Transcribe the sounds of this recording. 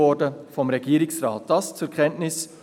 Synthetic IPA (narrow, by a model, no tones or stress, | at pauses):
ɔdəfɔmʁɛɡiːɾɪsʁaːt̚d̥ɑst͡sukʰɛntnɪs